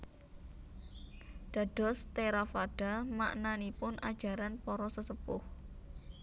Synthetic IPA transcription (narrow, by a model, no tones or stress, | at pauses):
ɖ̪̥a̤ɖ̥ɔ̤st̪eɾafaɖ̥a̤ma̰ʔnanipʊnʔad̥ʒ̥a̤ɾanpɔɾɔsəsəpʊh